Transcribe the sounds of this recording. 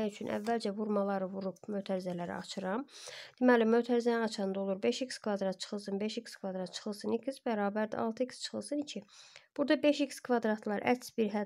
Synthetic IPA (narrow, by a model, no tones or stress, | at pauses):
æjyt͡ʃʰynʔæ̰vːæld͡ʒævuɾmɑlˠɑɾɯvuɾup̚møt̪ʰæɾizælæɾḭɑ̰t͡ʃʰɯɾɑmd̪̥imælimø̞t̪ʰæɾizænæɑt͡ʃʰɑnd̪o̞lˠuɾbe̞ʃikskʰvɑd̪ɾɑt̪̚t͡ʃʰɯ̥χɯlˠsɯnbe̞ʃikskʰvɑd̪ɾɑt̪̚t͡ʃʰɯ̥χɯlˠsɯnikʰizbæɾɑːbæɾd̪æ̰ɑ̰lˠt̪ʰɯikst͡ʃʰɯ̥χɯlˠsɯnicʰib̥uɾd̪ɑbe̞ʃikskʰvɑd̪ɾɑt̪ʰlˠɑɾʔæ̰tsbiɾɦæ